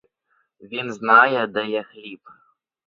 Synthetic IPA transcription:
vʲinznajɛd̪ɐjaxlʲip

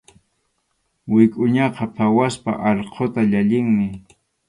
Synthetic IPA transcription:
wɪkʼʊɲɑqɑpʰawaspa̰ʔɑʎqʰot̪aʎaʎɪŋmɪ

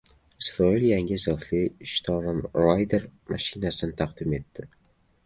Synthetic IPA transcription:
ɪsɾɒɪljaŋʲɪzɨlt̪lɪʃt̪ʰɒɾnɾajd̪eɾmaʃɪnasɪnɪt̪ʰɑqd̪ɪme̞t̪ːɪ

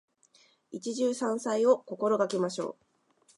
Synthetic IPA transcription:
it͡ɕiʑɨːsãɰ̃saio̞ko̞ko̞ɾo̞ɡakʲimaɕo̞̰ː

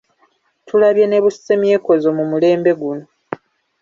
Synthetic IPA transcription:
tʰulaβjene̞βussemje̞ːko̞zomumule̞ːmbe̞ɡuno̞

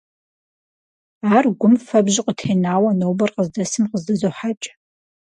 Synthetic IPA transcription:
aːrɡʷʊmfɐbʒɪqʷətʰenaːwɐnowbɐrqəzdɐsɨmqəzdɐzoħat͡ʃʼ

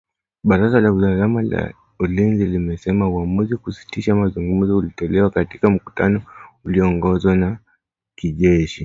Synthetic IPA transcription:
ɓaɾazalauzalamala̰ | ulinzilimɛsɛmauamuzikusi̥tiʃamazuŋɡum̩zɔulitɔlɛwakatikam̩ku̥ta̰nɔuliɔŋɡɔzwana | kiʄɛʃi

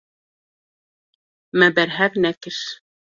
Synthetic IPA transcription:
mæbæɾɦæknækɘʃ

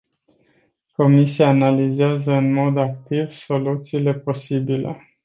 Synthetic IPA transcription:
ko̞misiaːnalizeazəɨnmo̞d̪ak̚t̪ivso̞lut̪siːle̞po̞sibile̞̰

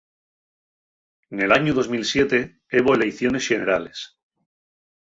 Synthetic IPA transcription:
ne̞laɲuðo̞zmilsje̞t̪e̞ | eβo̞ele̞jθjo̞ne̞sʝe̞ne̞ɾale̞s

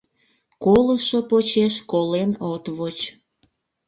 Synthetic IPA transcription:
koləʃopot͡ɕeʃkolenot̪βot͡ɕ

